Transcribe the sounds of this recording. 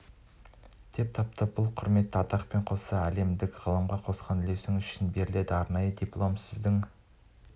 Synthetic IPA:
d̪̥e̞p̚t̪ʰɑp̚t̪ɑp̚bʊlˠqʰʊɾme̞t̪ːəɑt̪ɑqpe̞ɴqʰo̞sɑæle̞md̪ɪkʁəlˠəmʁɑqʰo̞sqɑnɪle̞sɪŋʏʃɪnbe̞ɾɪle̞d̪ɪɑɾnɑjəd̪iplˠo̞msɪzd̪ɪŋ

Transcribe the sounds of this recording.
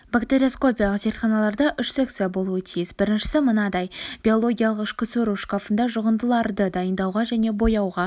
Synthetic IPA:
bakt̪eɾʲio̞sko̞pʲijalˠəqze̞ɾt̪χɑnɑlˠɑɾd̪ɑʔʏʃse̞k̚t̪sijabo̞lˠuət̪ʰijɪsbɪɾɪnʃɪ̥sɪmənɑd̪ɑjb̥ʲio̞lˠo̞ɡʲijalˠəqɪʃkʲɪsɵɾuʃkafənd̪ɑʒʊʁənd̪əlˠɑɾd̪əd̪ɑjənd̪ɑwʁɑʒæne̞bo̞jɑwʁɑ

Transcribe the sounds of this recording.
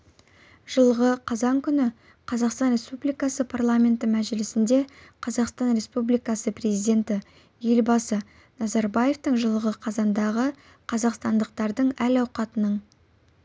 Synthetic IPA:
ʒ̥əlˠəʁəqʰɑzɑŋkʲʰʏnɪ | qʰɑzɑqst̪ɑnɾʲe̞spublijkɑsəpʰarlˠamʲe̞nt̪ɪmæʒɪlɪsɪnd̪e̞qʰɑzɑqst̪ɑnɾʲe̞spublijkɑsəprʲe̞zijd̪ʲe̞nt̪ɪ | je̞lbɑsə | nɑzɑɾbaje̞ft̪əɴʒəlˠəʁəqʰɑzɑnd̪ɑʁə | qʰɑzɑqst̪ɑnd̪əq̚t̪ɑɾd̪əɴælɑwqɑt̪ənəɴ

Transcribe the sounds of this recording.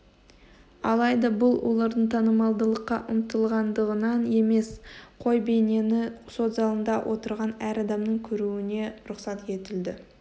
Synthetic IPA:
ɑ̰lˠɑjd̪ɑbʊlˠwo̞̰lˠɑɾd̪əɴt̪ʰɑnəmɑlˠd̪əlˠəqːɑʔʊmt̪əlˠʁɑnd̪əʁənɑne̞me̞sqʰo̞jbe̞jne̞nɪso̞t̪zɑlˠənd̪ɑwʔo̞̰t̪əɾʁɑnæɾɑd̪ɑmnəɴkʲʰɵɾuɪne̞ɾʊqsɑt̪je̞t̪ɪld̪ɪ

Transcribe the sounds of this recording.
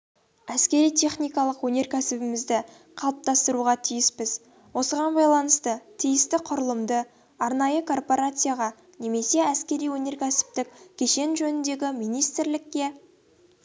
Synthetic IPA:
æskʲe̞ɾijt̪ʲʰe̞χnijkɑlˠəqwɵne̞ɾkʲʰæsɪbɪmɪzd̪ɪ | qʰɑlˠəp̚t̪ɑst̪əɾuʁɑt̪ʰijɪspɪz | wo̞səʁɑnbɑjlˠɑnəst̪ət̪ʰijɪst̪ɪqʰʊɾəlˠəmd̪ə | ɑɾnɑjəkʰo̞rpo̞ɾat̪sɨjaʁɑ | ne̞me̞se̞æskʲe̞ɾijwɵne̞ɾkʲʰæsɪ̥p̚t̪ɪk̚ʲkʲʰe̞ʃe̞nʒɵnɪnd̪e̞ɡʲɪmijnijst̪ɪɾlɪkʲːe̞

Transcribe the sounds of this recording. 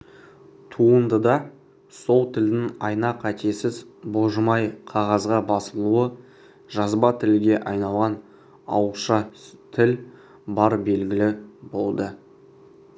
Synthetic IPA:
t̪ʰuənd̪əd̪ɑ | so̞lˠt̪ʰɪld̪ɪŋɑjnɑqæt̪e̞sɪzboʒəmɑjqʰɑʁɑzʁɑbɑsəlˠuə | ʒ̥ɑzbɑt̪ʰɪlɡʲe̞ʔɑjnɑlˠʁɑn | ɑ̰wəʃɑt̪ʰɪl | bɑɾbe̞lɡʲɪlɪbo̞lˠd̪ə

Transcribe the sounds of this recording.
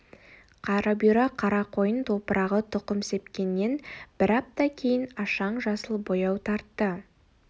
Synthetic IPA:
qʰɑɾɑbiɾɑqʰɑɾɑqʰo̞jənt̪ʰo̞pəɾɑʁət̪ʰʊqəmse̞pkʲe̞nːe̞nb̥ɪɾɑp̚t̪ɑkʲʰe̞jɪnɑʃɑɴʒɑsəlˠbo̞jɑwt̪ʰɑɾt̪ːə

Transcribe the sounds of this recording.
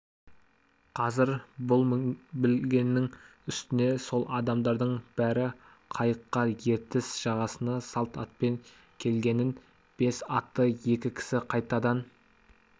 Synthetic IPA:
qʰɑzɪɾbʊlˠbɪlɡʲenːɪŋʏst̪ɪne̞so̞lˠʔɑd̪ɑmd̪ɑɾd̪əɴb̥æɾɪ | qʰɑjəqːɑje̞ɾt̪ɪsʒ̥ɑʁɑsənɑsɑlˠt̪ɑt̪̚pe̞ŋ | kʲʰe̞lɡʲe̞nɪn | b̥e̞sɑt̪ːəje̞kʲɪkʲʰɪ̥sɪqʰɑjt̪ɑd̪ɑn

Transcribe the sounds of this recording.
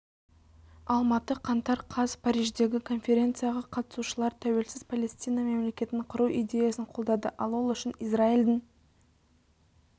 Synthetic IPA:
ɑlˠmɑt̪əqʰɑnt̪ɑɾqʰɑzpʰaɾijʒd̪e̞ɡʲɪkʰo̞nfʲe̞ɾʲe̞nt̪sɨjaʁɑqʰɑt̪ə̥suʃəlˠɑɾt̪ʰæwe̞lsɪz̥pʰalʲe̞st̪ijnɑme̞mle̞kʲe̞t̪ɪnqʰʊɾuʔid̪ʲe̞jasəɴqʰo̞lˠd̪ɑd̪əʔɑlˠwo̞lˠʏʃɪnizɾaild̪ɪŋ

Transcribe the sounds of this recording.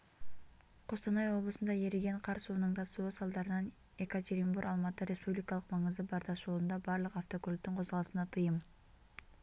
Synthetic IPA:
qʰost̪ɑnɑjo̞blˠəsənd̪ɑjeɾɪɡe̞ɴqʰɑɾsuːnɯɴd̪ɑsuːsɑlˠd̪ɑɾɯnɑn | ekot̪ʲʰeɾʲimbuɾʔɑlˠmɑt̪ːɯɾʲespublʲikɑlˠəqmɑɴɯzd̪ɯbɑɾd̪ɑʃolˠund̪ɑbɑɾlˠɯqɑft̪o̞kolʲp̚t̪yɴqʰo̞zʁɑlˠɯsɯnɑt̪ʰɯjɯm

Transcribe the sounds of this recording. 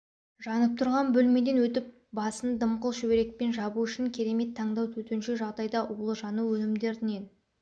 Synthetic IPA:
ʒɑnəp̚t̪ʰʊɾʁɑnbɵlme̞d̪e̞nwɵt̪ɪp̚ | bɑsənd̪əmqəlˠʃɵbeɾe̞k̚pe̞nʒɑbuʏʃɪŋkʲʰe̞ɾe̞me̞t̪ʰːɑɴd̪ɑwt̪ʰɵt̪enʃe̞ʒɑʁd̪ɑjd̪ɑʔulˠəʒɑnuwɵnɪmd̪e̞ɾd̪ɪne̞n

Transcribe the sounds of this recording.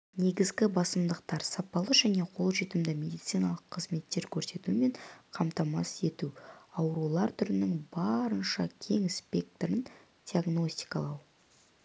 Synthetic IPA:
ne̞ɡʲɪzɡʲɪbɑsəmd̪əqt̪ɑɾsɑpɑlˠəʒæne̞qʰo̞lˠʒet̪ɪmd̪ɪmʲe̞d̪ijt̪sɨjnɑlˠəqʰːəzme̞t̪ːe̞ɾkʲʰɵɾse̞t̪ume̞ɴqʰɑmt̪ɑmɑ̰se̞t̪uɑwɾulˠɑɾt̪ʰʏɾɪnɪŋbɑɾənʃɑ̰kʲʰe̞ŋspʲe̞k̚t̪oɾən | d̥̪ʲiaɡno̞sʲt̪ʲi̥kɑlˠɑw

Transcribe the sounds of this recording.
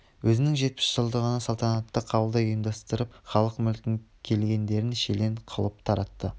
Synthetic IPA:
wʔɵzɪnɪŋʒe̞t̪̚pɪ̥sʒ̥əlˠd̪əʁənɑsɑlˠt̪ɑnɑt̪ːəqʰɑwəlˠd̪ɑojəmd̪ɑst̪əɾəp̚χɑlˠəqmʏlkʲɪŋkʲʰe̞lɡʲe̞nd̪e̞ɾɪnʃele̞ɴqʰəlˠəp̚t̪ʰɑɾɑt̪ːə

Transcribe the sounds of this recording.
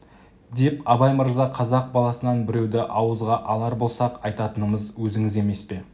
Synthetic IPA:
d̪e̞pɑbɑjməɾzɑqʰɑzɑq̚bɑlˠɑsənɑɴbɪɾe̞wd̪ɪʔɑwəzʁɑʔɑlˠɑɾbo̞lˠsɑqɑjt̪ɑt̪ənəməzwɵzɪŋɪze̞me̞spe̞

